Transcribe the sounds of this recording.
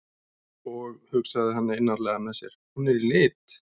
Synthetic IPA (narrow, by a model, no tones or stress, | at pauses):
ɔɣhʏksaðɪɦanːaɪnːaɾlɛɣamɛðsjɛɾ̥hunɛɾilɪːt̪